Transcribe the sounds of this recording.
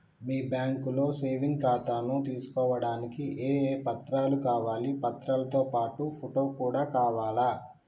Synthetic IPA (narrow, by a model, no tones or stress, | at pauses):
miːbjaːŋkulo̞ːse̞ːʋiŋɡkaːt̪aːnut̪iːsu̥kɔːʋɐɽaːnikiʔeːeːpɐt̪ɾaːlukaːʋaːlipɐt̪ɾalɐt̪o̞ːpaːʈupʰoʈo̞ːkuːɽaːkaːʋaːla